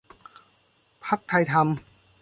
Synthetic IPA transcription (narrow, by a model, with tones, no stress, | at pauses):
pʰa˦˥k̚t̪ʰa˧jt̪ʰa˧m